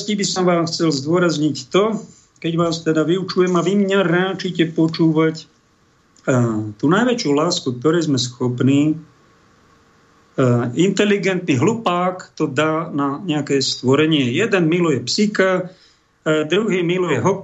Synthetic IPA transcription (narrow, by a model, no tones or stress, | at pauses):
scibisɔmʋaːxt͡sɛlzd̪ʊɔɾazɲict̪ɔ | kɛɟʋaːst̪ɛd̪aʋiut͡ʃujɛmaʋimɲaɾat͡ʃicɛpɔt͡ʃuːʋac | t̪unajʋɛt͡ʃɪulaːskuk̚t̪ɔɾɛːzmɛsxɔpniː | int̪ɛliɡɛnt̪niɦlupaːkt̪ɔd̪aːnaɲɛakɛːst̪ʋɔɾɛɲɪɛjɛd̪ɛnmilɔjɛpsika | d̪ɾuɦiːmilɔjɛɦɔ